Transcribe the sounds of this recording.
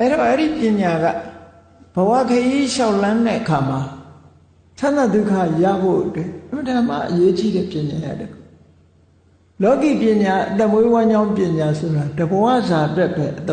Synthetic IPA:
ʔɛ˦ɾɔ˨ʔɛ˦ɾi˦˨pjɪ̃˨ɲa˨ɡa̰˦˨ | b̥əwa̰˦˨kʰə˦ʔi˦ʃa˦˨ʊlã˦nɛ̰˦˨ʔəkʰa˨ma˨ | t͡ɕʰã˦na˨d̪u˦˨kʰa˦˨ja̰˦˨bo̰˦˨ʔətwɛ˦˨ʔə̃˨mə˨tã˨m̥a̰˦˨ʔəje˦t͡ɕi˦˨ɾɛ˦˨pjɪ̃˨ɲa˨ja̰˦˨də˦kʰo˦˨ | lɔ˦kḭ˦˨pjɪ̃˨ɲa˨ʔət̪ɛ˦˨ʔmwe˦wã˦ɲd͡ʑã˦ʊ̃mpjɪ̃˨ɲa˨sʰo˨ɾa˨də˨bə˨wa̰˦˨za˨ʔətwɛ˦ʔbɛ˦ʔə˨t̪ɛ˦

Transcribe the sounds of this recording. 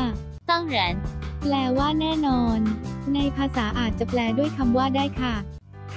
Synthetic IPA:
sɔ˥˩ŋɾɛ˨˩˦nplɛː˧waː˥˩nɛː˥˩nɔː˧nːa˧jpʰaː˧saː˩˦ʔaː˨˩t̪̚t͡ɕa˨˩plɛː˧du˥˩əjkʰa˧mwaː˥˩daː˥˩jkʰa˥˩

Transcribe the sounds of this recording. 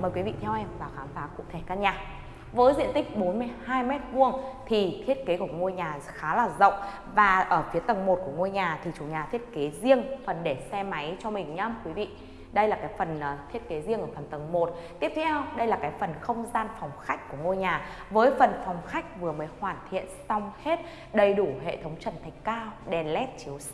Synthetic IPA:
məː˨˩jkwi˨˦vḭ˧˨t̪ʰɛ˧wʔɛ˧mvaː˨˩xaː˨˦mfaː˨˦kʊ̰˧˥ŋ͡mt̪ʰe˧˩kaː˧ɲaː˨˩ | vəː˨˦jzḭ˧ənt̪ï˦˥k̟̚ɓo˨˦nmɨ˧əjhaː˧jmɛ˦˥t̚vu˧əŋt̪ʰi˨˩t̪ʰi˦˥ət̚ke˨˦ku˧˩əŋo˧jɲaː˨˩xaː˨˦laː˨˩zə̰˧˨wŋ͡m | vaː˨˩ʔəː˧˩fi˨˦ət̪ə˨˩ŋmo˨˩t̚ku˧˩əŋo˧jɲaː˨˩t̪ʰi˨˩t͡ɕu˨˩ɲaː˨˩t̪ʰi˦˥ət̚ke˨˦zi˧əŋfə˨˩nɗe˧˩sɛ˧ma˨˦jt͡ɕɔ˧mï˨˩ŋ̟ɲaː˧mkwi˨˦vḭ˧˨ | ɗə˧jlaː˨˩kaː˨˦jfə˨˩nː˨˩t̪ʰi˦˥ət̚ke˨˦zi˧əŋʔəː˧˩fə˨˩nt̪ə˨˩ŋmo˨˩t̚t̪i˦˥əp̚t̪ʰɛ˧wɗə˧jlaː˨˩kaː˨˦jfə˨˩nxə˧wŋ͡mzaː˧nfa˨˩wŋ͡mxa˦˥jk̟̚ku˧˩əŋo˧jɲaː˨˩ | vəː˨˦jfə˨˩nfɔ˨˩wŋ͡mxa˦˥jk̟̚vɨ˨˩əməː˨˦jhwaː˧˩nt̪ʰḭ˧˨ənsa˧wŋ͡mhe˦˥t̚ | ɗə˨˩jɗu˧˩ɦḛ˧˨t̪ʰə˨˦wŋ͡mt͡ɕə˧˩nt̪ʰa˨˩ŋ̟kaː˧wɗɛ˨˩nlɛ˦˥t̚t͡ɕi˨˦w

